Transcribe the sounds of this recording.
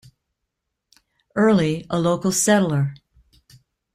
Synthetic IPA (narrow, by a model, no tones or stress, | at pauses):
ɜ˞lˠiəloʊkl̩ˠsɛɾl̩ˠə˞